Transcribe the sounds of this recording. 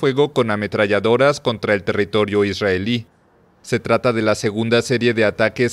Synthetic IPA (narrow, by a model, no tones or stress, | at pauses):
fwe̞ɣo̞ko̞name̞t̪ɾaʝaðo̞ɾasko̞nt̪ɾae̞lt̪e̞rit̪o̞ɾjo̞izraeli | se̞t̪ɾat̪aðe̞lase̞ɣund̪ase̞ɾje̞ðe̞at̪ake̞s